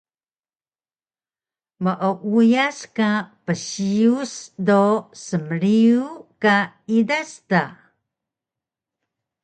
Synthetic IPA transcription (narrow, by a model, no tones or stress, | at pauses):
məʔəʔujaskapəɕiusdosəməɾiuka | idasta